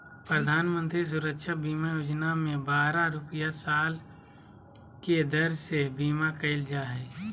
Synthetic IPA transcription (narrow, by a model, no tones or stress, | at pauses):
pɾəd̪ʱaːnmə̃nt̪ɾis̬ʊɾəkʃabiːmajoːd͡ʒnamẽbaːɾaɾʊpəjasaːl | ked̪əɾsebiːmakəɪld͡ʒaːɦɛː